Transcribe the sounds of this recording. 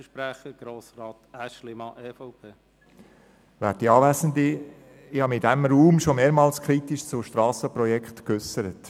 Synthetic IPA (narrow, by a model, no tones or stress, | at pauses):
əʃpɾæχəɡ̥ɾoːsɾɑːtæʃlɪmɑʔɛːfɔʊpʰeː | ʋæːɾt̚diɑːʋæsənd̪i | ɪhɑːmidɛmɾuːmʃomeːɾmɑːlskʰɾit̪iʃt͡sʊʃtɾɑːsəpɾɔjɛkχtkʏsəɾət